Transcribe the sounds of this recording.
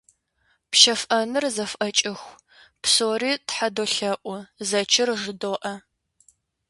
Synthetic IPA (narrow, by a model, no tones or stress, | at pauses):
pʃɐfʔɐnɨrzɐfʔɐt͡ʃʼɪxʷ | psoːriːtħadoːɬɐʔʷʊzɐt͡ʃʰɪrʒɨdoːʔɐ